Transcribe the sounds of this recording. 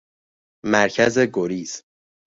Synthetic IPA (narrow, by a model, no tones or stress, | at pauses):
mæɾcʰæze̞ɡoɾiːz̥